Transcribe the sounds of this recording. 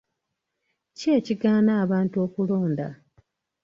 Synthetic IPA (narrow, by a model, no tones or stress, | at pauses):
ce̞ːciɡaːnaːβaːnto̞ːkulo̞ːnda̰